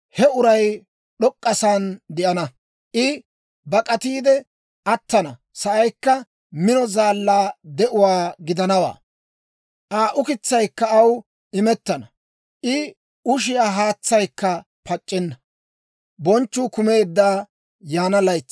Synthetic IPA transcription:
hɛʊɾɐj | ɗɔkʼːɐsaːnd̪ɪʔɐnɐ | ʔɪ | bɐkʼɐt̪iːd̪ɛ | ʔɐt̪ːɐnɐ | sɐʔɐjkːɐ | mɪnɔzaːlːaːd̪ɛʔʊwaːɡɪd̪ɐnɐwa̰ː | ʔaːʔʊkɪt͡sːɐjkːɐːw | ɪmɛt̪ːɐnɐ | ʔɪ | ʊʃ̬ɪjaːɦaːt͡sːɐjkːɐ | pɐt͡ʃʼːɪnːɐ | bɔnt͡ʃːʊːkʊme̞ːd̪ːaː | jaːnɐlɐjt͡sː

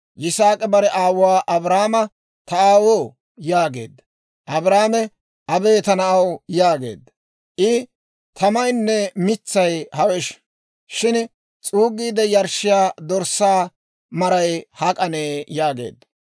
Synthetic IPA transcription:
ʔɪsaːkʼɛbɐɾɛʔaːwʊwaːʔɐbɾaːmɐ | t̪ɐaːwoː | jaːɡe̞̰ːd̪ːɐ | ʔɐbɾaːmɛ | ʔɐbe̞ːt̪ɐnɐʔɐwjaːɡe̞̰ːd̪ːɐ | ʔɪ | t̪ʰɐmɐjnːɛmɪt͡sːɐjhɐwɛʃ | ʃɪn | t͡sʼuːɡiːd̪ɛjɐɾʃɪjaːd̪ɔɾsːaː | mɐɾɐjhɐkʼɐneːjaːɡḛːd̪ːɐ

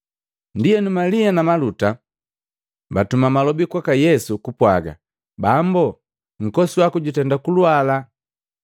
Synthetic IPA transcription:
ndijɛnumalianamaluta | batumamalɔbikwakajɛsukupwaɡa̰ | bambɔ | ŋ̩kɔsiwakuɟutɛndakuluala

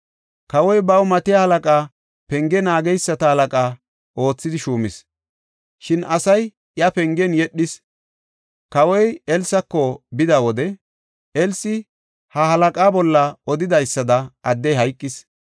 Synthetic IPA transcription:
kɐwɔjbɐwmɐt̪ɪjahɐlɐkʼaː | pɛŋɡɛnaːɡɛjsːɐt̪ɐhɐlɐkʼaː | ʔo̞ːt͡sːɪd̪ɪʃuːmɪs | ʃɪnɐsɐj | jɐpɛŋɡɛnjɛɗːɪs | kɐwɔjɛlsɐkːɔbɪd̪ɐwɔd̪ɛ | ɛlsɪ | hɐhɐlɐkʼaːbɔlːɐɔd̪ɪd̪ɐjsːɐd̪ɐʔɐd̪ːɛjɦɐjkʼːɪs

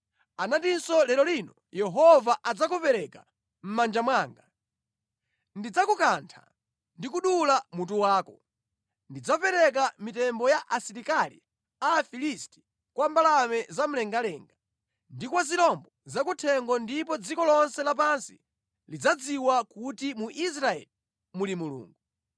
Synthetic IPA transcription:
anatinsɔlɛɾɔlinɔ | jɛɦɔvaʔad͡zakupɛɾɛka | m̩mand͡ʒamwaːŋɡa | ndid͡zakukantʰa̰ | ndikuɗulamut̬uwaːkɔ | ndid͡zapɛɾɛk̬amitɛmbɔjaʔasiɾikalḭ | aːfilisti̥ | kwambalamɛzam̩lɛŋɡalɛŋɡa | ndikwazilɔmbɔzakutʰɛŋɡɔndipɔd͡zikɔlɔnsɛlap̬ansḭ | lid͡zad͡ziwakutimuʔis̬ɾaɛ̰li | mulimulṵːŋɡu

